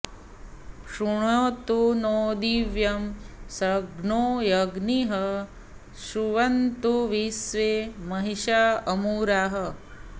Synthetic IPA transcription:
ʂuɳoːt̪unoːd̪iʋjɐmsɐɡnoːjɐɡniɦɐ | ʃuʋɐnt̪uʋisʋeːmɐɦiʃaɐmuːɾaːɦɐ̆

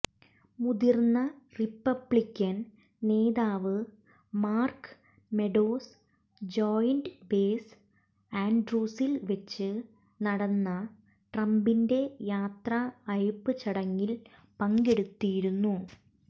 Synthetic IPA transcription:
muðirnːɐripːɐbɭikʲːɐn | ne̞ːðaːʋɨ | maːrk | me̞ɖoːs | d͡ʑoːjndbeːs | aːnɖruːsilʋɐt͡ɕːɨ | nɐɽɐnːɐ | ʈrɐmbinde̞jaːt̪rɐɐjpːɨt͡ɕɐɽɐŋːil | pɐŋɡe̞ɽut̪ːijiɾunːu

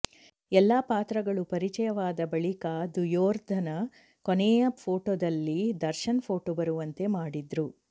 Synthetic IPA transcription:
ɛlːapaːt̪ɾɐɡɐɭupɐɾit͡ʃɐjɐʋaːd̪ɐbɐɭikad̪ujoːɾd̪ʱɐnɐ | koneːjɐpʰo̞ːʈoːd̪ɐlːid̪ɐɾʃɐnpʰoːʈobɐɾuʋɐnt̪e̞maːɽid̪ɾu

